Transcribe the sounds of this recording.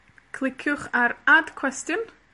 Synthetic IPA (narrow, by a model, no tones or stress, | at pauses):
kʰl̥ˠɪkʰʊχaɾadkʰw̥ɛstɨn